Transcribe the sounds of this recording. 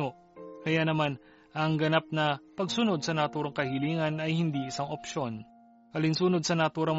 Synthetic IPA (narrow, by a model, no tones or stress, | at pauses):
o | kɐjanɐman | ʔɐŋɡɐnap̚nɐpɐɡsʊno̞d̪̚sɐnɐt̪uːɾɐŋkɐhɪliːŋɐnɐjhɪnd̪iʔɪsaŋʔopʃo̞n | hɐlɪnsuno̞d̪̚sɐnɐt̪uːɾɐŋ